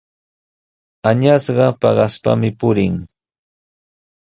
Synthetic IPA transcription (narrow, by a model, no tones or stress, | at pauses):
aɲasɢɑpɑɢɑspa̰mɪpʊɾɪŋ